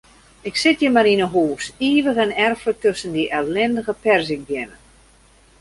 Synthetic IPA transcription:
ɪksɪtjəmaɾinəɦuːsiːʋəɣɛnɛrfətøsəndiʔɛllɪndəɣəpɛrsɪk̚bjɪnə

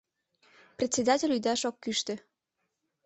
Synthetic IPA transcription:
prʲet̪sʲed̪ɑtʲelʲyd̪ɑʃokːyʃt̪ø̆

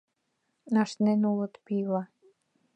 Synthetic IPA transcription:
nɑʃnenulɤ̆t̪pilɑ

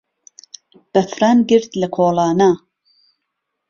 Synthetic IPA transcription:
b̥ɐfɾanɡɨɾt̪lɐkʰoːlɑːna

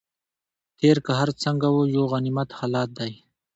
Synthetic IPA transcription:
t̪eːɾkaɦaɾt͡səŋɡawojoɣanimat̪halɑːt̪̚d̪aj

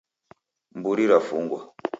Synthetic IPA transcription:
mbuɾiɾafuŋɡwa

